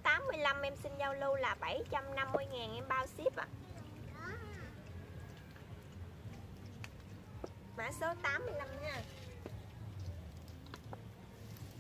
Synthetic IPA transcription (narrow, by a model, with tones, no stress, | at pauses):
t̪aː˨˦mːɨ˧əjla˧mʔɛ˧msï˧nza˧wlu˧laː˨˩ɓə˧˩jt͡ɕa˧mna˧mːɨ˧əjŋaː˨˩nʔɛ˧mɓaː˧wsi˦˥əp̚a̰˨˩ | ma̰ː˧˩so˨˦t̪aː˨˦mːɨ˧əjla˧mɲaː˧